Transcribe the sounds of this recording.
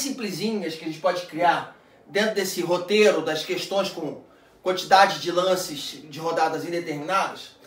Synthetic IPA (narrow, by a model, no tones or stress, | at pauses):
sĩplizĩɲɐskʲɪɐʒẽt͡ʃɪ̥pɔd͡ʒɪkɾiaɾ | d̪ẽnt̪ɾʊd̪esɪɦot̪eɾʊd̪ɐskeʃt̪õj̃skõ | kwɐ̃nt͡ʃid̪ad͡ʒɪd͡ʒɪlɐ̃sɪzd͡ʒɪɦod̪ad̪ɐzĩd̪et̪eɾmĩnad̪ɐs